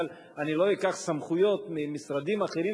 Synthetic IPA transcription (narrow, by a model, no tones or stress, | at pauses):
al | anilo̞ikaχsamχujo̞t̪mimisɾad̪imaχeɾi